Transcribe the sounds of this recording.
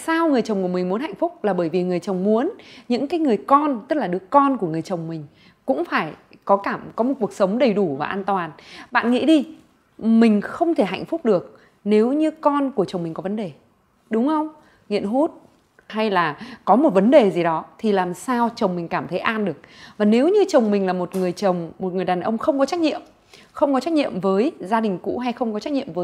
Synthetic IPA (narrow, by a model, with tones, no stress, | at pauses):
saː˧wŋɨ˨˩əjt͡ɕə˨˩wŋ͡mku˧˩əmï˨˩ŋ̟mu˨˦ənha˧˨jŋ̟fʊ˦˥k͡p̚laː˨˩ɓəː˧˩jvi˨˩ŋɨ˨˩əjt͡ɕə˨˩wŋ͡mmu˨˦ənɲɨ̰˧˥ŋkaː˨˦jŋɨ˨˩əjkɔ˧nt̪ə˦˥t̚laː˨˩ɨ˨˦əkɔ˧nku˧˩əŋɨ˨˩əjt͡ɕə˨˩wŋ͡mmï˨˩ŋ̟ | kʊ̰˧˥ŋ͡mfaː˧˩j | kɔ˨˦kaː˧˩mkɔ˨˦mo˨˩t̚ku˨˩ək̚sə˨˦wŋ͡mɗə˨˩jɗu˧˩vaː˨˩ʔaː˧nt̪waː˨˩nɓa̰ː˧˨nŋḭ˧˥ɗi˧ | mï˨˩ŋ̟xə˧wŋ͡mt̪ʰe˧˩ɦa̰˧˨jŋ̟fʊ˦˥k͡p̚ɗɨ˨˩ək̚ | ne˨˦wɲɨ˧kɔ˧nku˧˩ət͡ɕə˨˩wŋ͡mmï˨˩ŋ̟kɔ˨˦və˨˦nɗe˨˩ | ɗʊ˨˦ŋ͡mxə˧wŋ͡m | ŋḭ˧˨ənɦu˦˥t̚ | ha˧jlaː˨˩kɔ˨˦mo˨˩t̚və˨˦nɗe˨˩zi˨˩ɗɔ˨˦t̪ʰi˨˩laː˨˩msaː˧wt͡ɕə˨˩wŋ͡mmi˨˩ŋ̟kaː˧˩mt̪ʰə˨˦jʔaː˧nɗɨ˨˩ək̚vaː˨˩ne˨˦wɲɨ˧t͡ɕə˨˩wŋ͡mmï˨˩ŋ̟laː˨˩mo˨˩t̚ŋɨ˨˩əjt͡ɕə˨˩wŋ͡mmo˨˩t̚ŋɨ˨˩əjɗaː˨˩nʔə˧wŋ͡mxə˧wŋ͡mkɔ˨˦t͡ɕa˦˥k̟̚ɲḭ˧˨əm | xə˧wŋ͡mkɔ˨˦t͡ɕa˦˥k̚ɲḭ˧˨əmvəː˨˦jzaː˧ɗï˨˩ŋ̟kṵ˧˥ɦa˧jxə˧wŋ͡mkɔ˨˦t͡ɕa˦˥k̚ɲḭ˧˨ə˨mvəː˨˦